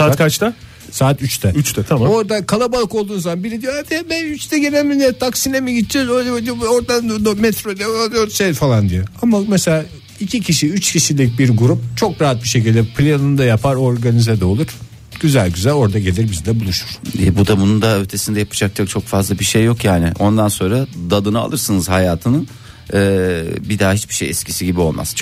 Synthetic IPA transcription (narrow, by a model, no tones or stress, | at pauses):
sakat͡ʃt̪a | saːt̪ʰyt͡ʃt̪ʰɛyt͡ʃt̪ɛt̪ʰaao̞ɾd̪akʰalˠabalˠko̞lˠd̪uːzamanbiɾid̪ijoad̪ɛbɛyt͡ʃt̪ʰɛɟenelʲmʲind̪ɛt̪ʰaksinemiɟit̪ːd͡ʒɛzojlɛd̪ioɾd̪and̪mɛt̪ɾod̪ɛod̪ijoʃejfalˠand̪ijoamameselʲaː | icʰicʰiʃiyt͡ʃcʰiʃilʲic̚ʲbiɾɡuɾup̚t͡ʃʰo̞kɾaɦat̪̚biʃe̞c̬ʰilʲd̪ɛpʰlʲenɯnd̪ajapʰaɾo̞ɾɡanizad̪olˠuɾ̥ | ɟ̥yzælʲɟyzælʲo̞ɾd̪aɟelʲiɾbizid̪ɛbulˠuʃu̥ɾ̥ɛ̰bud̪abunund̪aøɾt̪ʰe̞sind̪ɛjapʰɯ̥d͡ʒak̚t͡ʃʰakt͡ʃʰo̞kfazlˠabiʃejːo̞kjaːnɪʔo̞nd̪anso̞nɾad̪ad̪ɯnɯa̰lˠɯɾsɯnɯzhajaːt̪ʰɯnɯn | ɛːbid̪aɦit͡ʃbiʃejɛ̰scʰisiɟibio̞̰lˠma̰z̥t͡ʃʰ